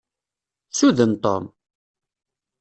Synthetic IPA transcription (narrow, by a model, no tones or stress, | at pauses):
suðənt̪ˤo̰m